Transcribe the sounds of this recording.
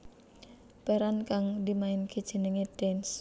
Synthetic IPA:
pɛɾankaŋdimaɪnked̥ʒ̥ə̤nəŋed̥ɛns

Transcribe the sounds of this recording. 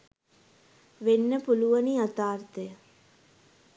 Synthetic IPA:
ʋenːəpuluʋɐniɐt̪aːɾt̪ejə

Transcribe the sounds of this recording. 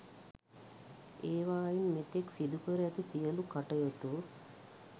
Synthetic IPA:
eːʋaːjinmet̪eksid̪ukəɾeɛt̪isijəlukaʈɐjot̪u

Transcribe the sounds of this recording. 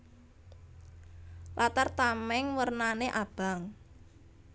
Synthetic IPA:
lʔat̪art̪amɛŋwərnaneʔab̥a̤ŋ

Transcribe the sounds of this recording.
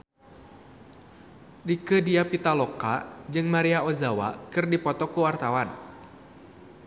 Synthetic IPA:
dikədiapit̪alokad͡ʒɨŋmaɾiaozawa̰kɨrdipɔt̪ɔkuwart̪awan

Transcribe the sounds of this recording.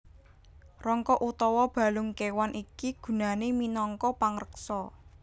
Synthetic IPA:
rɔŋkɔʔut̪ɔwɔb̥ä̤lʊŋkewanʔikiɡ̥ṳnaneminɔŋkɔpaŋrəksɔ

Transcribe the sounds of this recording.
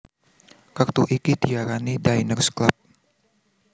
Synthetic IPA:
kərt̪uʔikidiaɾanidajnərsklap̚

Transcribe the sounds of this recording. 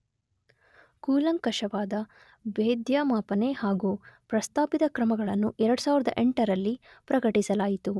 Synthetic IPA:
kuːlɐŋkɐʂɐʋaːd̪ɐ | beːd̪jaːmaːpɐnehaːɡupɾɐst̪aːpid̪ɐkɾɐmɐɡɐɭɐnːuʔɛɾɐɽusaːʋiɾɐd̪ɐ̰ʔɛɳʈɐɾɐlːi | pɾɐɡɐʈisɐlaːjit̪u

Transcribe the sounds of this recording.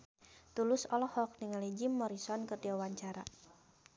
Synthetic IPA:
t̪ulʊsɔlɔhɔk̚niŋalid͡ʒimːɔɾisɔnkərdiawaɲt͡ʃaɾa

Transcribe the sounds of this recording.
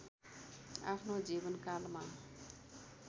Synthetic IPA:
a̰pʰnod͡zibʌnkalma

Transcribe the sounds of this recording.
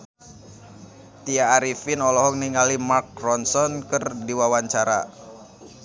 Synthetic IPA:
t̪iaːɾifinɔlɔɦɔk̚niŋalimark̚rɔnsɔnkɨrdiwawaɲt͡ʃaɾa̰

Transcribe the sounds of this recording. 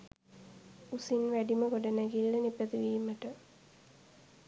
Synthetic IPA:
usinʋæɖiməɡoɖɐnæɡilːənipət̪iʋiːmːəʈə

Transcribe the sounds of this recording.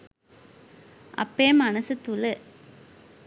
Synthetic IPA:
ɐ̰pːeːmɐnɐsɯt̪ːulɐ

